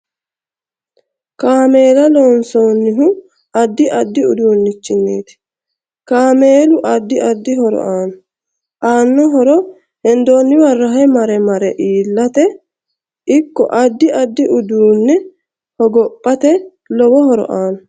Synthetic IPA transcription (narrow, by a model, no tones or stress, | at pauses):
kaːme̞ːlɐloːnsoːnːɪɦʊ | ɐd̪ːɪʔɐd̪ːɪʊd̪uːnːɪt͡ʃːɪnːeːt̪ɪ̥ | kaːme̞ːlʊʔɐd̪ːɪʔɐd̪ːɪhɔɾɔ̰ʔaːn | ʔaːnːɔɦɔɾɔ | hɛnd̪oːnːɪwɐrːɐɦɛmɐɾɛmɐɾɛʔiːlːɐt̪ɛ | ɪkːɔ̰ʔɐd̪ːɪʔɐd̪ːɪʔʊd̪uːnːɛ | hɔɡɔpʼːɐt̪ɛ | lɔwɔhɔɾɔ̰ʔaːn